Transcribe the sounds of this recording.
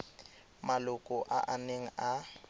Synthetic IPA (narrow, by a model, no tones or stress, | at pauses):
malʊkʼɔʔaʔaneŋ̩a